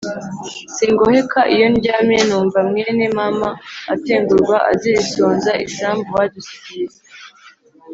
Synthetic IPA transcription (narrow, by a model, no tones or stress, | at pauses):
siŋɡohe̞kʰaʔijo̞nɟaːmenuːɱvamŋeːnemamaːteːŋɡuɾɡwaʔa̰ziɾisoːnzaʔiʃaːmbuwaɟusi̥ɟiɾize